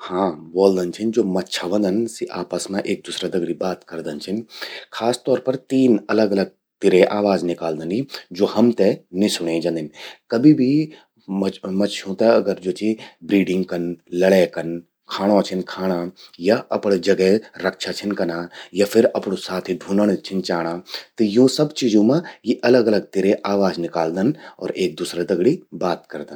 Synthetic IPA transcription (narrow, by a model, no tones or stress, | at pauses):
hãːboːld̪ənt͡ʃʰɪnd͡ʒoːmɐtːʃʰaʋɐ̃nd̪ənsiʔaːpəsmãʔeːk̚d̪ʊsɾad̪ɐɡɽibaːt̪kɐɾd̪ənt͡ʃʰɪnkʰaːst̪ɔːɾpɐɾt̪iːnɐləɡɐləɡ̚ | t̪ɪɾeʔaːʋaːznɪkaːld̪ənid͡ʒoːhɐmt̪ɛnɪsʊɽ̃ẽd͡ʒãnd̪ɪnkɐbibʱi | mɐt͡ʃʰõt̪ɛɐɡəɾd͡ʒoːt͡ʃibɾiːɖɪ̃ŋɡkɐnlɐɽekɐn | kʰaːɽ̃õt͡ʃʰɪnkʰaːɽ̃ajaʔɐpɽd͡ʒɐɡɛɾɐkʃat͡ʃʰɪnkɐnaːjapʰɪɾɐpɽosaːt̪ʰiɖʱũːnəɽ̃t͡ʃʰɪnt͡ʃaːɽ̃aːt̪ɐjõːsɐbt͡ʃiːd͡ʒõmãjeʔɐləɡɐləɡ̚t̪eːɾeʔaːʋaːznɪkaːld̪ənɔ̰ːɾeːk̚d̪uːsɾed̪ɐɡɽibaːt̪kɐɾd̪ən